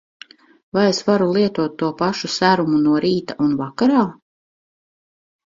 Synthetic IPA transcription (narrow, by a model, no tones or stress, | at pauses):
vajesvaɾulˠiɛt̪uɔt̪ːuɔpaʃusæɾumunuɔɾiːt̪aʔunvakaɾaː